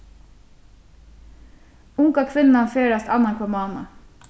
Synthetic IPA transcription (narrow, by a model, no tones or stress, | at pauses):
ʊŋkɑkʰʋɪnn̩ɑnfeːɾɑst̪ɑ̰nɑnkʰɔmɑːnɑ̰